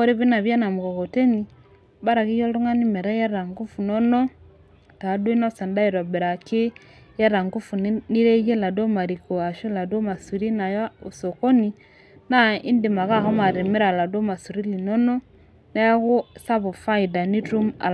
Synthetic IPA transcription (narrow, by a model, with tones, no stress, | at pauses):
ɔ˦ɾi˦βi˦na˨βja˦na˨mu˨kɔ˨kɔ˨tɛ˦ni˨ | ba˦ɾa˨ki˦jɔ˦lu˦ŋa˦ni˦mɛ˨ɾa˦ja˦ɾa˨ŋɡu˦fu˨nɔ˦nɔ˦ | ta˨˦do˦i˦na˦sa˨nda˦i˨ɾɔ˨bɛ˨ɾa˨ke˦ | ja˦ɾa˨ŋɡu˦fu˨n˦ni˦ɾɛ˦jɛ˦la˨dɔ˦ma˨ɾi˨kɔ˨a˨ʃo˦la˨dɔ˦ma˨su˨ɾi˦na˨ja˦o˨sɔ˨kɔ˦ni˨ | na˦i˦nde˨ma˨ɣa˦˨hɔ˦ma˨ɾe˨mi˦ɾa˨la˨do˦ma˨su˨ɾi˦li˨nɔ˦nɔ˦ | na˦ja˦ɣo˦sa˦βo˨fa˦i˨da˨ni˦tu˦ma̰˨